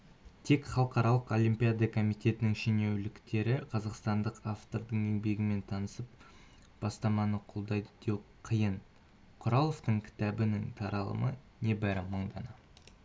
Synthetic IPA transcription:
t̪ʰe̞kχɑlˠqɑɾɑlˠəqo̞lʲˠimpʲijad̪ɑkʰo̞mijt̪e̞t̪ɪnɪŋʃene̞wlɪkt̪e̞ɾɪqʰɑzɑqst̪ɑnd̪əqaft̪o̞ɾd̪əɴenbe̞ɡʲɪme̞nt̪ʰɑnəsəp̚ | b̥ɑst̪ɑmɑnəqʰolˠd̪ɑjd̪əd̪̥e̞wqʰəjən | qʰʊɾɑlˠoft̪əɴkʲʰɪ̥t̪æbɪnɪŋt̪ʰɑɾɑlˠə̰mə | ne̞bæɾɪməɴd̪ɑnɑ

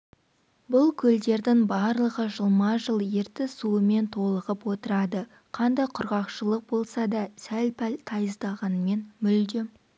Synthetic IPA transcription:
bʊlˠkʲʰɵld̪e̞ɾd̪ɪŋbɑɾlˠəʁəʒəlˠmɑʒəlˠje̞ɾt̪ɪsuəme̞nt̪ʰo̞lˠəʁəpwo̞t̪əɾɑd̪ə | qʰɑnd̪ɑjqʰʊɾʁɑqʃəlˠəq̚bo̞lˠsɑd̪ɑsælpʰlt̪ʰɑjəzd̪ɑʁɑnme̞nmʏld̪ɪ

